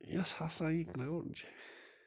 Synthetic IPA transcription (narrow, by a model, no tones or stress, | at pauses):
jashasãĩkɾaond͡ʒe